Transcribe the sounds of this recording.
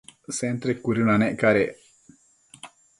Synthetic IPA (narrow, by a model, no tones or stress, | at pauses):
sent̪ɾekːuɾunɐneʔkɐɾe